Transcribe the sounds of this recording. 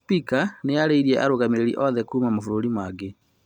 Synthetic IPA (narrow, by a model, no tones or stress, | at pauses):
pikaneaɾeiɾiɛʔa̰ɾoɣameɾeɾḭʔɔðɛkuːmamofuɾoɾimwaɡe